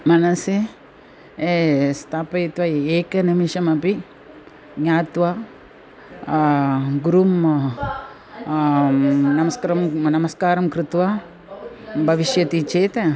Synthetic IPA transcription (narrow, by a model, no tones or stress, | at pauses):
mɐnɐse | est̪ʰaːpɐjt̪ʋɐeːkɐnimiʃɐmɐpi | ɡɲaːt̪ʋa | ɡuɾum | nɐmɐskɐɾɐmnɐmɐskaːɾɐmkɾɪt̪ʋa | bʱɐʋiʃjɐt̪it͡ʃeːt̪e